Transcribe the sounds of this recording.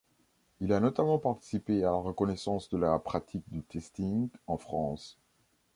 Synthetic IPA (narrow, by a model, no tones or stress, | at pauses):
ilanɔt̪amɑ̃paʁt̪i̥sipealaʁəkɔnɛsɑ̃sd̪əlapχat̪ʰik̚d̪yt̪ɛst̪ĩŋɡɑ̃fχɑ̃s